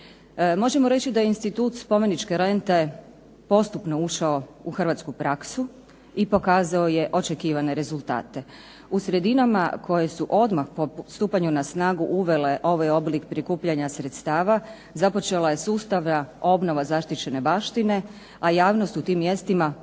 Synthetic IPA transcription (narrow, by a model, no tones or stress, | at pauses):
mo̞ʒe̞mo̞ɾe̞t͡ɕid̪ajeinst̪it̪uːt̪spo̞me̞nit͡ʃkeɾe̞nt̪e | po̞st̪upno̞uʃao̞uxrʋat̪skupɾaksu | ipo̞kaːzaoje̞ʔo̞t͡ʃe̞kiːʋane̞ɾe̞zulˠt̪a̰ːt̪e̞ | usɾe̞d̪inama̰kʰo̞je̞suʔo̞d̪maxpost̪uːpaɲunasnaːɡuʔuʋe̞le̞ʔo̞ʋajo̞blikpɾikuːpʎaɲasɾe̞t̪st̪aːʋa | zapo̞t͡ʃe̞lˠaje̞suːst̪aʋnao̞bno̞ʋazaʃt̪it͡ɕe̞ne̞baːʃt̪ine̞ | ajaːʋno̞st̪ut̪iːmːje̞st̪ima